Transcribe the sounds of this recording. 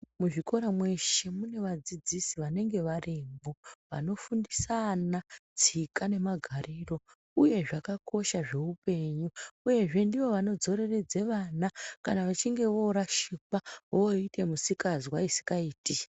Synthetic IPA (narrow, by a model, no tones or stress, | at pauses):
muʐiko̞ɾamwe̞ʃe̞mune̞ʋad͡zid͡zisiʋane̞ŋɡe̞ʋarimbo̞ʋa̰no̞fundisanad͡zikane̞maɡʱaɾiro̞ | uje̞ʐakakʰo̞ʃaʐe̞upe̞ɲuːje̞ʐe̞ndiʋo̞ʋano̞d͡zo̞ɾe̞re̞d͡ze̞ʋanakanaʋat͡ʃiŋɡe̞ʋo̞ɾaʃikaʋoite̞musikazwaisi̥kaiːti